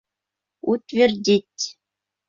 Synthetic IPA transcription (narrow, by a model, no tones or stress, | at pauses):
ut̪ʲvʲĕrdʲitʲ